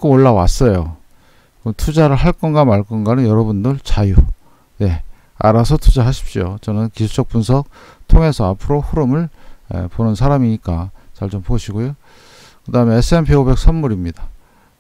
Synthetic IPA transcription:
kooɭːawas͈ʌjo | kɯtʰud͡ʑaɾɯɭhaɭk͈ʌnɡamaɭk͈ʌnɡanɯnjʌɾʌbundɯɭt͡ɕaju | ne̞ | a̰ɾasʰʌtʰud͡ʑaɦaɕʰi̥p̚ɕ͈iot͡ɕʌnɯnkisʰu̥t͡ɕʌk̚p͈unsʰʌk̚tʰoŋe̞sʰʌapʰɯɾoɸuɾɯmɯɭḛponɯnsʰaɾamiɲik͈at͡ɕaɭt͡ɕompoɕʰiɡojo | kɯdaɦɯme̞ːs͈ʰɯe̞npʰeobe̞k̚sʰamːuɾimɲida

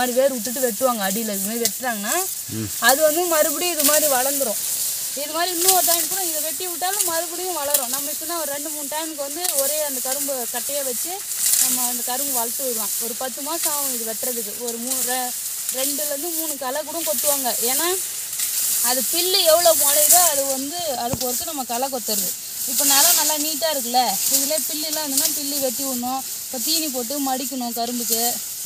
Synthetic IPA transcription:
aːɾiʋeːɾɯʊʈ̬ːɯʈ̬ːɯʋɛʈːɯʋaːŋɡɐːɽijɪlːɐðɯkːɯmɐʋɛʈːɯʈːaːŋɡɐnːaː | ɐðɯʋɐnd̪ɯmɐɾɯbɯɽiɪðɯmaːd̪ɾiʋɐɭɐnd̪ɯɾõː | ɪðɯmaːd̪ɾiɪnːɐ̃ɔɾɯt̪aːjɪnkːuːɽɐ̃ɪŋɡɐʋɛʈːiʋɪʈːaːlɐmɐɾɯbɪɽɪjʊ̃ʋɐɭɐɾõnɐmːɐɪt͡ʃːɯnːaːɔɾɯɾɛɳɖɯmuːnɯʈaːjɪnɯkːɯʋɐnd̪ɯɔɾeːɐnd̪ɐkɐɾɯmbɯkɐʈːɐjaːʋɛt͡ʃːɯ | nɐmːɐɐnd̪ɐkɐɾɯmbɯʋaːɭt̪ːɯʋɐɾɯʋãːɔɾɯpɐt̪ːɯmaːsaːʋɐ̃ðɯʋɛʈːɾɐðɯkːɯɔɾɯmuː | ɾɛɳɖɯlɾɯnd̪ɯmuːɳɯkɐlɐkuːɽɐ̃ŋkɔt̪ːɯʋaːŋɡɐʔeːnaː | ɐðɯpɪɭːiɛʋːɐɭoːkalɐɾaːɐðɯʋɐnd̪ɯɐðɯkːɔɾɯk̪ːɯnɐmːɐkɐlɐk̬ɔt̪ːɐɾɐðɯ | ɪpːonɛlanɐlːaːniːʈːaːɪɾɯkːɯlɐɪðɯleːpɪlːɪlːãɐnd̪ɯnːaːpɪlːiʋɛt̪ːiʋɯɳːõ | kɐt̪̬ːinip̬oːʈ̬ːɯmɐɽɪk̬ʲːɐɳʊ̃ːkɐɾɯmbɯk̬ːɯ

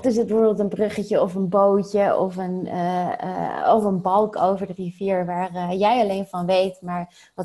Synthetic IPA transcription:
tɪs̬ət̚bəvoːɹbɪlˠtənbrøχəcəɔfənbowcəʔɔfən̰ | ɔfənbɑlˠkʰowvəɹdəriviːɹʋaːrjɛjɑlejnvɑnʋejtmaːɹ | ʋɑ

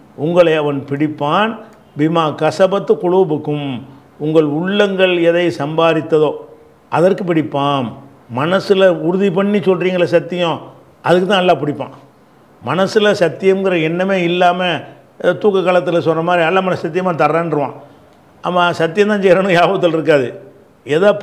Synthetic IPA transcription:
ʊŋɡɐɭɐɪɐʋɐnpɪɽɪpːaːn | bɪmaːkɐsɐbɐt̪ːɯkʊɭuːbɯkːɯm | ʊŋɡɐɭʊɭːɐŋɡɐɭɛðɐɪsɐmbaːɾɪt̪ːɐðoː | ʔɐðɐrkɯpɪɽɪpːaːn | mɐnɐsɪlɐʊɾʊðipɐɳːisɔlriːŋɡɐɭɐsɐt̪ːɪjõ | ɐðɯkːɯt̪ːãːɛlːaːp̬ɪɽɪpːã̰ː | mɐnɐsɪlɐsɐt̪ːɪjɐmɡɪɾɐɛnːɐmeːɪlːaːmɐ | ɛðɐːt̪uːkːɐkːaːɭɐt̪ːɪlɐsɔnrɐmaːd̪ɾiɐlːaːmɐnsɐt̪̬ːɪjɐmaːt̪ɐɾːaːnɾɯʋã̰ː | aːmːaːsɐt̪̬ːɪjɐ̃nt̪ãːsɛjɾaːnʊ̃jaːʋɐt̪ːɐlɪɾɯk̬ːaːðɯ | ɛðaː

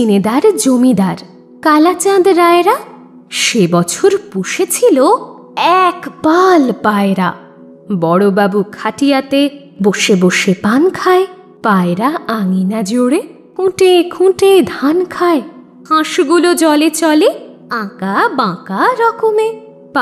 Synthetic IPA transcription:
ined̪aɾd͡ʑomid̪aɾ | kalat͡ɕãd̪ɾaeɾa | ʃebɔt͡ɕʰoɾpuʃet͡ɕʰilo | ɛkbalpaeɾa | bɔɽobabukʰaʈijat̪e | boʃeboʃepankʰae | paeɾaaŋinad͡ʑoɽe | kũʈekʰũʈed̪ʱankʰae | kãʃɡulod͡ʑɔlet͡ɕɔle | ãkabãkaɾɔkome | p

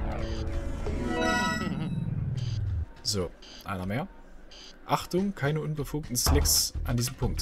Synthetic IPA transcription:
zoː | ʔa̰ɪnɐmeːɐ | ʔaχtʊŋkʰaɪnəʔʊnbəfuːk̚tn̩slɪksʔandiːzəm̩pʰʊŋk̚t

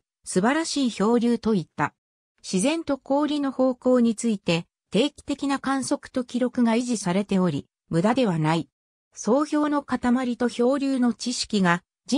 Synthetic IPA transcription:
sɨbaɾaɕiːço̞ːɾʲɨːt̪o̞it̪ːa | ɕizẽ̞nt̪o̞ko̞ːɾʲino̞ho̞ːko̞ːɲ̟it͡sɨit̪e̞ | t̪e̞ːkʲi̥t̪e̞kʲinakãɰ̃so̞kɯ̟̥t̪o̞kʲiɾo̞kɯ̟ɡaiʑisaɾe̞t̪e̞o̞ɾʲi | mɯ̟d̪ad̪e̞β̞anai | so̞ːço̞ːno̞kat̪amaɾʲit̪o̞ço̞ːɾʲɨːno̞t͡ɕiɕi̥kʲiɡa | d͡ʑi

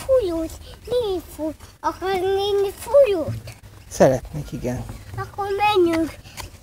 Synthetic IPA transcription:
fujot̪nifuɒkɑɾneːnifujoːt̪ | sɛɾɛt̪neːkiɡɛnɒkːomɛɲːyɡ

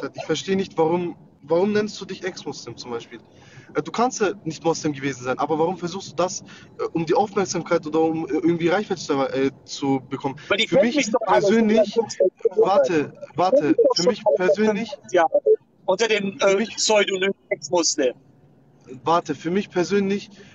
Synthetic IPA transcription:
atɪçfɛɐʃteːənɪçtv̥aʁʊm | vaʁʊmnɛnstd̥uːdɪçɛksmʊslɪmt͡sʊmbaɪʃpiːl | ʔɛduːkʰanstjanɪçtmɔslɪmɡəveːzn̩zaɪnʔaːbɐvaʁʊmfɛɐzuːxstd̥uːdasʔɛʔʊmdiːʔaʊfmɛɐkz̥aːmkʰaɪtʔoːdɐʊmʔɛʔɪɐɡŋ̩tv̥iːʁaɪçv̥aɪtə̥t͡sʔɛ | t͡subəkʰɔmənvifyːɐmɪçpʰɛɐzøːnlɪç | vaɐtʰəvaɐtʰəfyɐmɪçppʰɛɐzøːnlɪçjaː | ʔʊntɐdeːnɛmɪçsɔʏduːnɪɛksmʊslɪm | vaɐtəfyːɐmɪçpʰɛɐzøːnlɪç

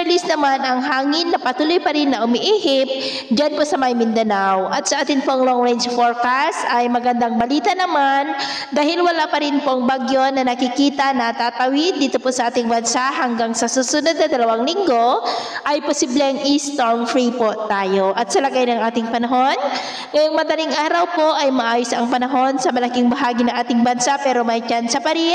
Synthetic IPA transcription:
pɛlɪsnɐmanʔɐŋɦaːŋɪnːɐpɐt̪uːlojpɐɾɪnːɐʔʊmɪʔiːhɪp̚ | d͡ʒanposɐmɐjmɪnd̪ɐnawʔɐt̪̚sɐʔaːt̪ɪnpoʔŋloŋɹɛnd͡ʒfoɹkast̪ɐjmɐɡɐnd̪aŋbɐliːt̪ɐnɐman | d̪aːhɪlwɐlapɐɾɪnpoʔɐŋbaɡjonɐnɐkɪkiːt̪ɐnɐt̪aːt̪ɐwɪd̪ːiːt̪o̞posɐʔaːt̪ɪŋbɐnsaʔɦɐŋɡaŋsɐsusʊnɐd̪̚nɐd̪ɐlɐwaŋlɪŋɡo̞ʔɐjposiːblɛɐŋist̪oɹmfɹipot̪aːjo̞ʔɐt̪sɐlɐɡajnɐŋʔaːt̪ɪŋpɐnɐɦo̞n | ŋɐjoŋmɐd̪ɐliŋʔaːɾɐwpo̞ʔɐjmɐʔaːjosɐŋpɐnɐɦo̞nsɐmɐlɐkɪŋbɐɦaːɡɪnɐŋʔaːt̪ɪŋbɐnsapɛːɾo̞mɐjt͡ʃansɐpɐɾi

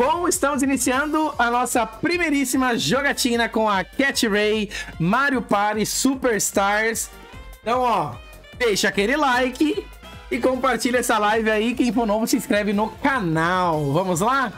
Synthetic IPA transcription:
bõw̃ɪst̪ɐ̃mʊzinisiɐ̃nd̪ʊɐnɔsɐpɾimejɾisimɐʒoɡat͡ʃĩnɐkõɐkɛt͡ʃɪɾejmaɾjʊpaɾɪsupeɾst̪aɾs | ẽt̪ɐ̃w̃ɔ | d̪̥ejʃɐakelɪlajkɪ | ɪkõpaɾt͡ʃilɐɛsɐlajvɪaikẽj̃põnõvʊsɪ̃skɾɛvɪnʊkanawvɐ̃mʊzla

